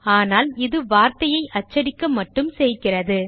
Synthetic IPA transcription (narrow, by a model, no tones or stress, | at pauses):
aːnaːlɪðɯʋaːɾt̪ɐjɐɪʔɐt͡ʃːɐɽɪkːɐmːɐʈːɯmsɛjkɪrɐðɯ